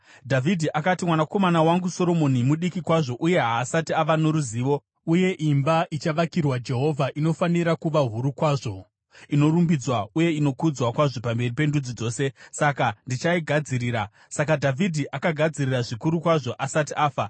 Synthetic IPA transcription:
dʱavidʱiʔakatimwanako̞manawaŋɡuso̞ɾo̞mo̞nimuɗikikwaʐo̞ʔuje̞ɦaːsatiaʋano̞ɾuziːʋo̞ | uje̞ʔimbaʔit͡ʃaʋakirwad͡ʒe̞ɦo̞vʱaʔino̞faniɾakuʋaɦuɾukwaːʐo̞ | ino̞ɾumbid͡zwauje̞ino̞kud͡zwakwaʐo̞pambe̞ripe̞ndud͡zid͡zo̞ːse̞sakandit͡ʃaiɡʱad͡ziɾiːɾa | sakadʱavʱidʱiʔakaɡʱad͡ziriraʐikuɾukwaʐo̞ʔasatiʔaːfa

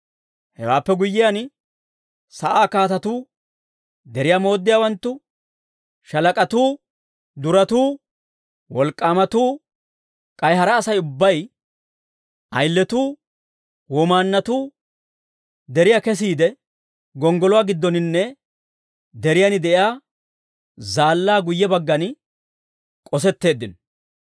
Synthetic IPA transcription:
hɛ̰waːpːɛɡʊjːɪjan | sɐʔaːkaːt̪ɐt̪uː | d̪ɛɾɪjamo̞ːd̪ːɪjaːwɐnt̪ːʊ | ʃɐlɐkʼɐt̪uː | d̪ʊɾɐt̪uː | wɔlkʼːaːmɐt̪uː | kʼɐjɦɐɾɐːsɐjʊbːɐj | ʔɐjlːɛt̪uː | wɔmaːnːɐt̪uː | d̪ɛɾɪjakɛs̬iːd̪ɛ | ɡɔŋɡɔlɔwaːɡɪd̪ːɔnɪnːɛ | d̪ɛɾɪjanɪd̪ɛʔɪaː | zaːlːaːɡʊjːɛbɐɡːɐn | kʼɔs̬ɛt̪ːe̞ːd̪ːɪn

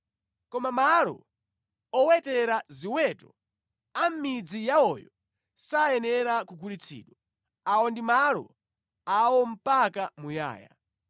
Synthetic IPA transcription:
kɔmamalɔ̰ | ɔwɛtɛɾaziwɛtɔ | am̩mid͡zijaɔjɔ | sajɛnɛɾakukʰuɾit͡sʰḭːɗwɔ | aɔndimalɔ̰ | awɔm̩pakamuja̰ːja̰

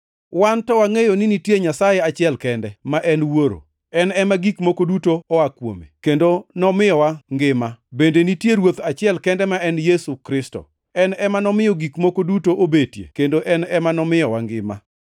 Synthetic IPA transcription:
wantɔwaŋejoninitjeɲasajɛat͡ʃɪɛlkɛndɛmaʔɛnwoɾo̰ | ɛnɛmaɡikmokodutoɔakwo̰mḛkendonɔmɪjɔwaŋɡɪmabendenitjeɾwot̪at͡ʃɪɛlkɛndɛmaɛnjesukɾɪstɔ̰ | ɛnɛmanɔmɪjɔɡikmokodutoʔobetjḛkendoʔɛnɛmanɔmɪjɔwaŋɡɪma̰

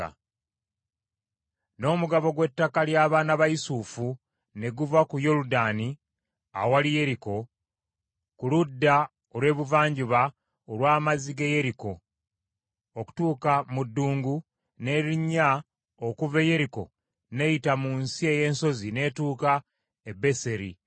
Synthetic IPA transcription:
no̞ːmuɡaβo̞ɡwe̞tːakaljaːβaːnaβaisufu | ne̞ɡuvakujo̞ludaːni | a̰walije̞ɾiko̞ | kuludːa | olwe̞ːβuvaːɲɟiβa | olwaːmaziɡeje̞ɾiko̞ | oku̥tuːkamudːuːŋɡu | ne̞ɾiɲːa | o̞kuve̞je̞ɾiko̞̰ | ne̞jitamunsie̞je̞ːnso̞zine̞ːtuːka | ebe̞se̞ɾḭ

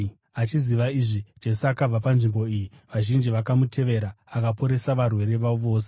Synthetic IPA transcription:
at͡ʃiziʋaiʐid͡ʒe̞suakab͡vapanʐimbo̞iji | ʋaʒind͡ʒiʋakamutʰe̞ʋe̞ɾaːkapo̞ɾe̞saʋarwe̞ɾe̞ʋaoʋo̞ːs̬e

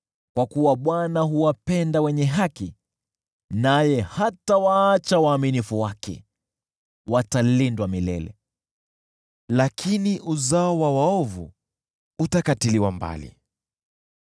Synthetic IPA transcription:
kwakuwaɓwanaɦuwapɛndawɛɲɛɦaki | najɛhatawaːt͡ʃawaːminifuwakʰɛ̰ | watalindwamilɛ̰lɛ̰ | lakʰiniʔuzaɔwawaɔvṵ | utakatiliwamba̰lḭ

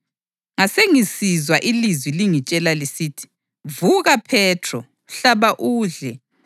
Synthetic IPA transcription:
ŋaseŋisizwaʔilizwiliŋit͡ʃʼɛlalisitʰi̥ | vuɣapʰɛtʰrɔ | ɬaβaʔuːɮɛ

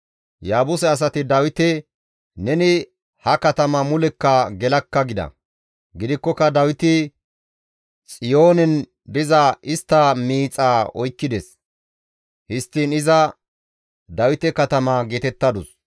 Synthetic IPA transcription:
jaːbʊsɛɐs̬ɐt̪ɪd̪ɐwɪt̪ɛ | nɛnɪ | hɐkɐt̪ɐmɐmʊlɛkːɐɡɛlɐkːɐɡɪd̪ɐ̰ | ɡɪd̪ɪkːɔkːɐd̪ɐwɪt̪ɪ | t͡sʼɪjo̞ːnɛn | d̪ɪzɐʔɪst̪ːɐmiːt͡sʼaːɔjkːɪd̪ɛs | hɪst̪ːiːnɪzɐ | d̪ɐwɪt̪ɛkɐt̪ɐmɐːɡeːt̪ɛt̪ːɐd̪ʊs

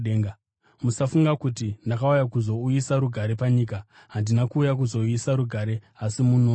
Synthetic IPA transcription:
eːŋɡ | musafuŋɡakutinakaujakuzo̞ujisaɾuɡʱaɾe̞paɲika | ɦandinakuːjak̬uzo̞ujisaɾuɡʱaɾe̞asimunoː

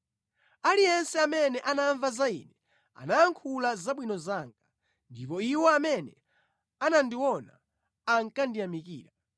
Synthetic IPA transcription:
alijɛnsɛamɛnɛʔanaɱvazaḭnɛ | a̰naːŋkʰulazaɓwinɔzaŋɡa | ndipɔiwɔamɛnɛ | anandiwɔnaː | ŋkandijamikiːɾa

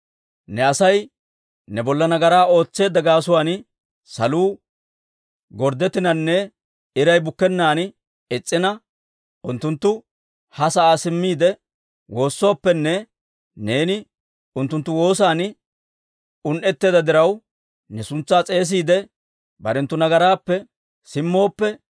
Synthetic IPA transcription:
nɛɐsɐj | nɛbɔlːɐnɐɡɐɾaːo̞ːt͡sːeːd̪ɐɡaːs̬ʊwaːn | sɐ̰luː | ɡɔɾd̪ɛt̪ːɪnɐnːɛ | ɪɾɐjbʊkːɛnːaːn | ɛt͡sʼːɪnɐ | ʊnt̪ːʊnt̪ːʊ | hɐsɐʔaːsɪmːiːd̪ɛ | wo̞ːsːo̞ːpːɛnːɛ | ne̞ːnɪ | ʊnt̪ːʊnt̪ːʊwo̞ːsaːn | ʊnʔɛt̪ːeːd̪ɐd̪ɪɾɐw | nɛsʊnt͡sːaːt͡sʼe̞ːs̬iːd̪ɛ | bɐɾɛnt̪ːʊnɐɡɐɾaːpːɛ | sɪmːo̞ːpːɛ

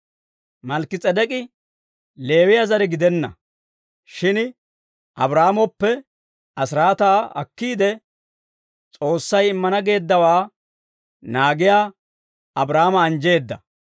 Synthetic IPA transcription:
mɐlkːɪt͡sʼɛd̪ɛkʼɪ | le̞ːwɪjazɐɾɛɡɪd̪ɛnːɐ̰ | ʃɪn | ʔɐbɾaːmɔpːɛ | ʔɐsɾaːt̪aːɐ̰kːiːd̪ɛ | t͡sʼo̞ːsːɐjɪmːɐnɐɡe̞ːd̪ːɐwaː | naːɡɪjaː | ɐbɾaːmɐːnd͡ʒe̞ːd̪ːɐ

